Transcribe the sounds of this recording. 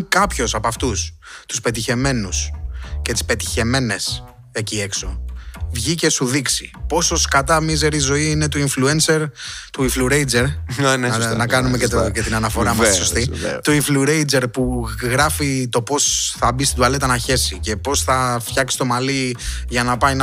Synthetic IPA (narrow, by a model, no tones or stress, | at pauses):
kɐpço̞sɐpɐft̪ust̪u̥spe̞t̪içe̞me̞nusce̞t̪i̥spe̞t̪i̥çe̞me̞ne̞s | e̞cie̞kso̞vʝice̞suðiksipo̞so̞skɐt̪ɐmize̞ɾizo̞iine̞t̪oiɱfluenseɾt̪uiɱfluɾejd͡ze̞ɾnnɐkɐnumeket̪cet̪inɐnɐfo̞ɾɐmɐsisost̪ḭt̪oiɱfluɾejd͡ze̞ɾpuɣɾɐfit̪o̞po̞sθɐbist̪id̪uɐle̞t̪ɐnɐçe̞sice̞po̞sθɐft̪çɐksi̥st̪o̞mɐliʝɐnɐpɐjn